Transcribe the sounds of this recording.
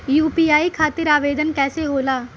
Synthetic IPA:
juːpiːaːikʰaːt̪ɪɾaːʋeːd̪ənkɛːseɦoːlaː

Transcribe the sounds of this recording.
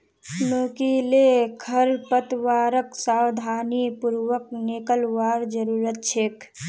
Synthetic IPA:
noːkilekʰəɾpət̪ʋaːɾəksaːwd̪ʱaːnipuɾwək̚nekəlʋaːɾd͡ʒəɾuːɾət̪̚t͡ʃʰeːk

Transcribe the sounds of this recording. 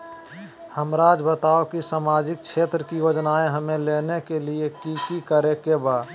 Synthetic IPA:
həmɾaːd͡ʒbət̪aːokisaːmaːd͡ʒɪk̚kʰʃʰeːt̪ɾəkijoːd͡ʒnaːẽɦəmẽleːnekeliekikikəɾekebaː

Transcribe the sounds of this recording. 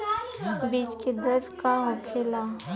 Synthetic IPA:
bid͡ʒked̪əɾkaɦʊkʰela

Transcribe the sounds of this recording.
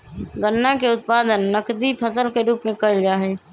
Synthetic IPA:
ɡənːakeʊt̪̚paːd̪ənːəkd̪ipʰəsəlkeɾuːpmẽkəld͡ʒaːɦɛː

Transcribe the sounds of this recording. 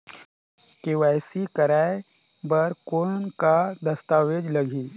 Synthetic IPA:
keʋajsikəɾaebəɾkonkad̪ɐst̪aʋed͡ʒləɡʱiː

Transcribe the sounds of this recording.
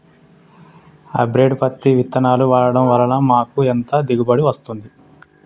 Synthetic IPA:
ɐ̰bɾe̞ːɖpɐt̪ːiʋit̪ːɐnaːluʋaːɽɐɽɐmʋɐlɐnɐmaːkuent̪ɐd̪iɡubɐɽiʋɐst̪und̪i

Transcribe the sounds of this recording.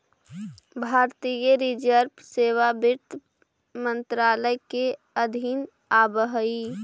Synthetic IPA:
bʱaːɾt̪ijeɾid͡ʒəɾbseːʋabɪɾt̪ | mənt̪ɾaːləjke | əd̪ʱin | aːbəɦi

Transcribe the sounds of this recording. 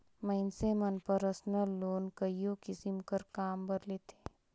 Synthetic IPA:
məɪnsemɐnpəɾəsnəlːoːnkəijõkɪsɪmkəɾkaːmbɐɾleːt̪ʰe̥ː

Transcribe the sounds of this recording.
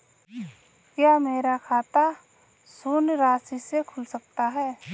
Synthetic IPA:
kjaːmeːɾakʰaːt̪a | suːnɾaːsisekʰʊlsək̚t̪aɦɛː

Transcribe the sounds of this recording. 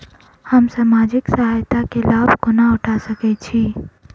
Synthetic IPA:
həmsaːmaːd͡ʒɪksəɦajt̪akelaːbʱkonaʊʈʰasəkɛt͡ʃʰiː

